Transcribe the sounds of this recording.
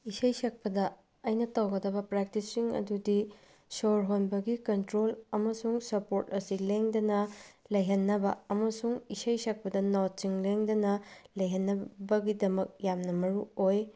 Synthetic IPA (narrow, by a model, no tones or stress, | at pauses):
isɐjsɐk̚pɐdɐ | ɐjnɐtɐwɡɐdɐbɐpɾek̚tisiŋɐ̰dudi | soɾɦonbɐɡikɐntɾolɐmɐsuŋsɐpoɾtɐsileŋdɐnɐlɐjɦɐnːɐbɐɐmɐsuŋisɐjsɐk̚pɐdɐnat͡ʃiŋleŋdɐnɐlɐjɦɐnːɐbɐɡidɐmɐk̚jamnɐmɐɾuoj